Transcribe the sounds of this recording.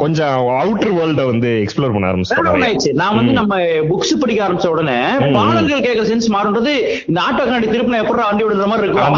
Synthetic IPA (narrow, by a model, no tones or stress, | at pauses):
kɔɲd͡ʒɔ̃ | ɐʋʈːɐɾʋɐːlɖʋɐnd̪ɯɛkspɭoːɾpɐɳːa̰ːɾɐmbɪt͡ʃːɐɽɐpɐɳːaːjt͡ʃːɯnãːʋɐnd̪ɯnɐmːɐ | bʊksɯpɐɽɪkːɐaːɾɐmbɪt͡ʃːɐ̃ʊɽɐnːe | paːnɐɾɣɐɭkeːkːɐɾɐsɛnsmaːɾɯɳrɐðɯ | ɪnɐaːʈːɐkːɐnaːɐɽit̪ɪɾɯpːnaɛpːɐɾɾãʋɳɖɪʋɐɽɯnd̪ɾɐmaːdɾiɪɾɯkː